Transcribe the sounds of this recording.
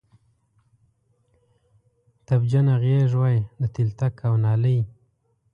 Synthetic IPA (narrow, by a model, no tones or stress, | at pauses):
t̪abd͡ʒanaɣeʐwajd̪ət̪ilt̪akawnɑləj